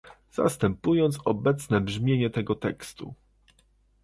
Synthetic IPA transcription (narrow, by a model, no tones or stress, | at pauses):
z̥a̰st̪ɛmpujɔnt̪sɔbɛt̪snɛbʐmʲjeɲɛt̪ɛɡɔt̪ɛkst̪ṵ